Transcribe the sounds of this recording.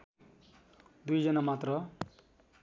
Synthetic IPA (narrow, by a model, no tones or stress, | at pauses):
d̪ujd͡zʌnamat̪rʌ